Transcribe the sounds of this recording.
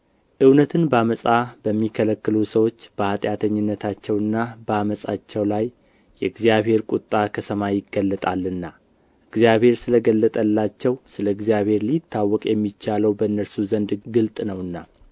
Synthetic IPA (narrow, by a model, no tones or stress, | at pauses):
ʔɨwnət̪ʰɨnbəaməsʼab̥əmːikʰələkːɨlusəwo̞t͡ʃːb̥əhat̪ʼjat̪ʰəɲːɪnːət̪ʰat͡ʃːɛwɨnːabəaməsʼat͡ʃːɛwlajː | ɛɨɡzijaβhe̞ɾkʼut̪ʼːakʰəsʰəmajɪɡəlːət̪ʼalːɨnːa | ʔɨɡzijaβhe̞ɾsɨləɡəlːət̪ʼəlːat͡ʃːɛwsɨləɨɡzijaβhe̞ɾlit̪ʰːawːɔkʼjɛmːit͡ʃːaləwbəɨnːəɾsuzənd̪ɡɨlt̪ʼnəwɨnːa